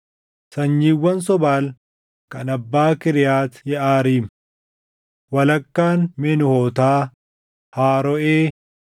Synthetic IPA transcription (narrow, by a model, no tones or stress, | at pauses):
sɐɲːiːwːɐns̬ɔbaːl | kɐnɐbːaːkɪɾɪjaːt̪jɛʔaːɾiːm | wɐlɐkːaːnmɛnʊhɔːt̪aː | haːɾɔʔeː